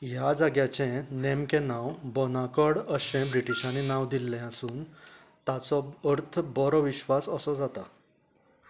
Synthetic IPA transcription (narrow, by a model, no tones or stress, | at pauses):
jad͡zaɡjat͡ɕẽnemkẽnãwbɔnakəɽəɕẽbɾiʈiɕãnenaʋd̪ilːɛ̃əsũːn | t̪at͡sɔəɾt̪ʰbɔɾɔʋiɕʋasəsɔd͡zat̪a